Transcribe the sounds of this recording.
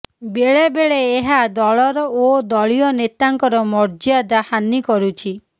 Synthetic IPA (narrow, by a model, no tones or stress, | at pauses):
beɭebeɭeːɦad̪ɔɭɔɾɔod̪ɔɭijɔnet̪aŋkɔɾɔmɔɾd͡ʒiad̪ahanikɔɾut͡ʃʰi